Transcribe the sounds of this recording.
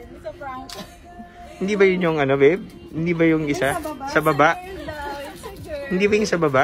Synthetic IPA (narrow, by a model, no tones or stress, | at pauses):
hɪnd̪ibɐjʊɲːoŋʔɐnovɛb̚ | hɪnd̪ibɐjʊŋʔɪsasɐbɐbaʔ | hɪnd̪iːbɐjʊŋsabɐba